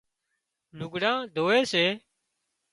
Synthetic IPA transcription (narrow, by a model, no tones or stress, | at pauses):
nʊɡɽãːd̪ʱoːeːseː